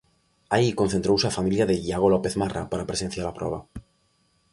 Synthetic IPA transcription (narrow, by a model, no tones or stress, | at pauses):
aikonθent̪ɾowsafamiljaðeʝaɣolopeθmara̰paɾapɾese̞n̟θjalapɾʔoβ̞a̰